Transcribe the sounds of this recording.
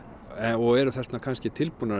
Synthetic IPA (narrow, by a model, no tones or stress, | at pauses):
ɛɔɣɛɾʏθɛst̪nakʰanscɪt̪ʰɪlpunːa